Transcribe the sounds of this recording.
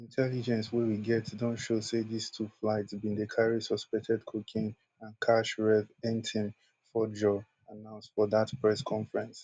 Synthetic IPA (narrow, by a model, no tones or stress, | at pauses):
ĩntʰɛlid͡ʒɛ̃nswɛwiɡɛtdõntʃosedistʰuflaɪtsbĩndekʰaɹisɔspɛk̚tʰɛdkʰokʰĩŋ | ãnkʰaʃɹɛθɛ̃ntʰĩn | fɔd͡ʒɔ | anãʊ̃nstfɔðatpɹɛskʰɔ̃ɱfɹɛ̃ns